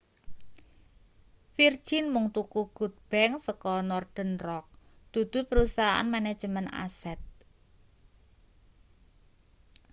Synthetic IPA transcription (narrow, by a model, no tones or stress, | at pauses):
fird̥ʒ̥inmʊŋt̪ukuɡ̥ṳt̪̚b̥ɛŋsəkɔnɔrd̪̥ə̤nrɔk̚d̪̥ṳd̪̥ṳpəɾusaɦaʔa̰nmanɛd̥ʒ̥ə̤məna̰sɛt̪̚